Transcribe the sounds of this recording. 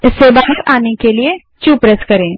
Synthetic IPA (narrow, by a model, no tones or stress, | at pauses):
ɪsːebaːɦəɾaːnekelie | t͡ʃuːpɾɛskɐɾẽː